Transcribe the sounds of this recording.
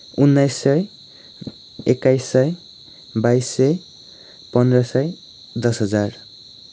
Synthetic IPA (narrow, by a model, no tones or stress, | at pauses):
unːajsːʌj | ekajsːʌj | bajsːʌj | pʌnd̪rʌsʌj | d̪ʌsɦʌd͡zar